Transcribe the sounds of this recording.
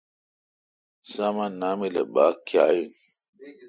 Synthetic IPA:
samanamilḛbaːkjaːjin

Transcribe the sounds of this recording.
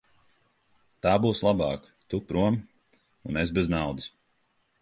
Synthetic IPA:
t̪aːbuːslˠabɑːk | t̪upɾuɔm | unesbɛznawd̪ɨs

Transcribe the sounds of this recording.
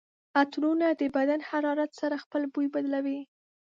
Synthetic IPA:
at̪ɾunad̪əbad̪anhaɾɑɾat̪saɾaxpəlbujbad̪lawi

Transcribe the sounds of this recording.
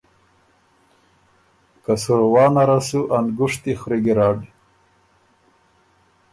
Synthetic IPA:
kasuɾwɑːnaɾasuʔanɡuʂt̪ixɾiɡiɾaːɖi

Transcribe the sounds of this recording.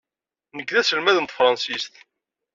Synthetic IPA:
nəɡðæsəlmæðənt̪fɾˤɑnsist̪

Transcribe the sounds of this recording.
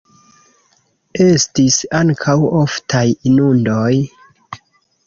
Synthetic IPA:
e̞stisaŋkʰawoftʰajinundo̞j

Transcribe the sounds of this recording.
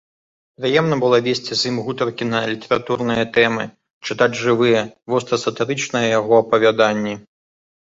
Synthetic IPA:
pɾɨjɛmnɐbɨlˠɔvʲesʲt͡sʲizʲimɣut̪ɐrkʲinɐlʲit̪ɛɾat̪uɾnɨjɐt̪ɛmɨ̰ | t͡ʂɨt̪ad͡zʲʐɨvɨjɛvɔst̪ɾɐsɐt̪ɨɾɨt͡ʂnɐjɛjaɣɔɐpɐvʲad̪anʲːi

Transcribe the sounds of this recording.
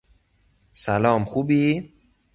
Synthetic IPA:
sælɒːmxuːbiː

